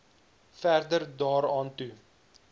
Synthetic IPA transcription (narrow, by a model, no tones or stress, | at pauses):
færdərdɑːɾɑːntu